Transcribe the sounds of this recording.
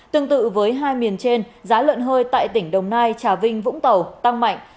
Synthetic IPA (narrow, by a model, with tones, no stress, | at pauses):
t̪ɨ˧əŋt̪ɨ̰˧˨vəː˨˦jɦaː˧jmi˨˩ənt͡ɕe˧nzaː˨˦lə̰˧˨nɦəː˧jt̪a̰ː˧˨jt̪ï˧˩ŋ̟ɗə˨˩wŋ͡mnaː˧jt͡ɕaː˨˩vï˧ŋ̟vʊ̰˧˥ŋ͡mt̪ə˨˩wt̪a˧ŋma̰˧˨jŋ̟